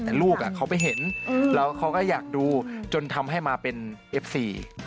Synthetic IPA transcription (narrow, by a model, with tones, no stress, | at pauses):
t̪ɛː˨˩luː˥˩k̚ʔa˨˩kʰa˦˥wpa˧˩jɦe˩˦n˧lɛː˦˥wkʰa˦˥wkɔː˥˩jaː˨˩k̚duː˧t͡ɕo˧nt̪ʰa˧mɦa˥˩jmaː˧pe˧nʔe˦˥p̚siː˧